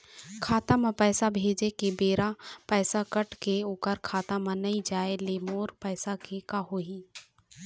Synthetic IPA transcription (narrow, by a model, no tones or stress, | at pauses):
kʰaːt̪amãpɛːsabʱeːd͡ʒekebeːɾapɛːsakəʈkeʊkəɾkʰaːt̪amə̃nɐid͡ʒaːeleːmoːɾpɛːsakekaɦoɦiː